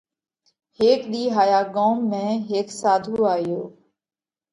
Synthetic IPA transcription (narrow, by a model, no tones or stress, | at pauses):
heːkɗ̪iːɦaːjaːɠoːmːẽːɦeːksaːd̪ʱuːaːɦjoː